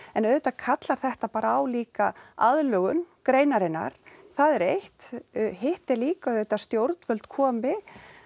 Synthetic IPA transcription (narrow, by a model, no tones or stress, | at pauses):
ɛnœðʏt̪akʰat̪laɾ̥θɛht̪apaːɾaawliːkaaðlœɣʏnkɾeːjnaɾɪnːa̰ɾ̥θaðɛɾejht̪ɦɪht̪ɛɾliːkaœðet̪ast̪jowɾt̪nvœlt̪kʰɔːmɪ